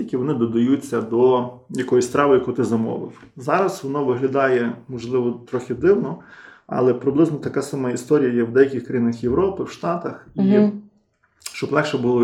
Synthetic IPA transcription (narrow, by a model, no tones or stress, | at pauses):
ikʲɪʋɔnɪd̪ɔd̪ɐjut͡sʲːɐd̪ɔjɐkɔjisʲst̪ɾɑʋɪjɐkut̪ɪzɐmɔ̰ʋɪ̰f | zɑɾɐsʋɔnɔʋɪɦlʲɐd̪ɑjɛmɔʒlˠɪʋɔt̪ɾɔxʲɪd̪ɪwnɔɑ̰lˠɛpɾɪblˠɪznɔt̪ɐkasɑmɑist̪ɔɾʲijɐjɛwd̪ɛjɐkʲixkɾɐjinɪxjeʋɾɔpɪwʃt̪ɑt̪ɐxi | ʃt͡ʃɔblˠɛkʃɛbʊlˠɔ